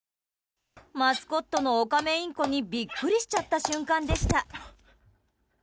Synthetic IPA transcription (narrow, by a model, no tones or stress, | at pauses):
masɨ̥ko̞t̪ːo̞no̞ːkame̞ĩŋko̞ɲ̟ibʲikːɯ̟ɾʲiɕi̥t͡ɕat̪ːaɕɨ̃ŋkãnd̪e̞ɕi̥t̪a